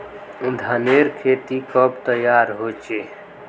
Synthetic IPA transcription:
d̪ʱaneːɾkʰeːt̪ikɔpt̪əjaːɾɦoːt͡ʃeː

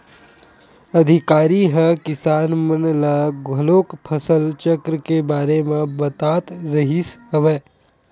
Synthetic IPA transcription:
ɐd̪ʱɪkaːɾiɦəkɪsaːnmənlaɡʱəloːkpʰəsəlt͡ʃəkɾəkebaːɾemẽbət̪aːt̪ɾəɦisɦəʋeː

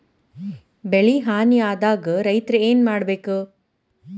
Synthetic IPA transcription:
beɭiɦaːnijaːd̪aːɡɐɾɐjt̪ɾɐeːnmaːɽɐbeːku

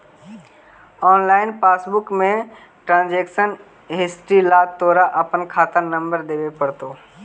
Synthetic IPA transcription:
ɔːnlaːɪnpaːsbʊkmẽ | ʈɾãːnd͡ʒeːkʃən | ɦesʈilaːt̪oːɾaʔəpənkʰaːt̪ənə̃mbəɾd̪eːʋepəɽt̪oː

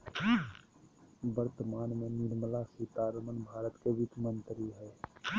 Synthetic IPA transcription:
bəɾt̪əmaːnmẽnɪɾməlasiːt̪aːɾəmənbʱaːɾət̪keʋɪt̪mə̃nt̪ɾiɦɛː

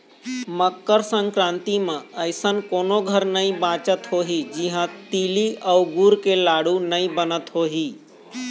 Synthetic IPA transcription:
məkːəɾsə̃ŋkɾãːnt̪imẽəɪsənkoːnoɡʱəɾnəĩbãːt͡ʃət̪ɦoːɦid͡ʒiɦãt̪iːliəʊɡuːɾkelaːɽ̤unəĩbənət̪ɦoːɦiː

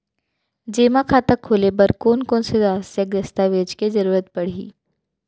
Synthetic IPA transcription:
d͡ʒeːmakʰaːt̪akʰːoːlebɐɾkoːnkoːnsedaːsjəkɾɐst̪aʋeːd͡ʒked͡ʒɐɾuːɾət̪̚pɐɽ̤ḭː

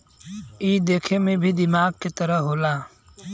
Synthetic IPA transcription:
iːd̪eːkʰemẽbʱid̪ɪmaːɡ̚ket̪əɾəɦoːlaː

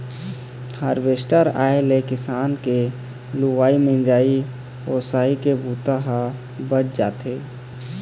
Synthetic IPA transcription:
həɾweːsʈəɾa̰ːelekɪsaːnke | luwaːimẽnd͡ʒaːi | oːsaːikebʱuːt̪aɦa | bət͡ʃd͡ʒaːt̪eː

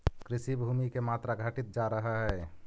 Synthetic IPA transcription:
kɾɪsibʱumikemat̪ɾaɡʱəʈɪt̪̚d͡ʒaɾəɦaɦɛ

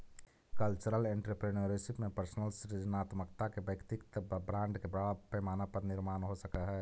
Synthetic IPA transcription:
kəlt͡ʃəɾəlẽːɳʈɾəpɾenoːɾisɪpmẽpəɾsnəlsɪʈid͡ʒənaːt̪məkt̪akebəkt̪ɪkt̪bɾãːɳɖkebɐapemaːnapət̪nɪɾmaːnɦosɐkaɦɛː

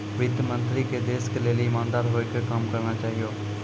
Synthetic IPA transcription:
ʋɪd̪mə̃nt̪ɾiked̪eːskeleːliɪmãːnd̪aːɾɦoːekekamkɐɾnat͡ʃaːɦijoː

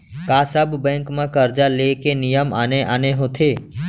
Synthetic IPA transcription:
kaːsəbbɛ̃ːŋkmãkəɾd͡ʒalekenɪjəmaːneʔaːneɦoːt̪ʰeː

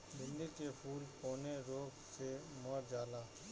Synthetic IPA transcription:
bɪnd̪ikeːpʰuːlkoːneːɾoːɡseːmoɾd͡ʒaːlaː

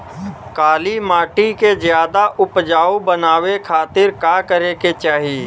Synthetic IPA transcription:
kaːlimaːʈikezjaːd̪aʔʊpd͡ʒaːubənaːwekʰaːt̪ɪɾkaːkəɾeket͡ʃaːɦieː

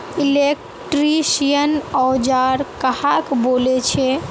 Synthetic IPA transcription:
ilek | ʈɾisijənɔwd͡ʒaɾkəhakbolet͡ʃʰɛ

